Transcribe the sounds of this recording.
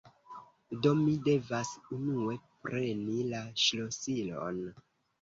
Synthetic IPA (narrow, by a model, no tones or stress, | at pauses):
do̞mide̞vasunue̞pɾʔe̞nilaʃlosilo̰n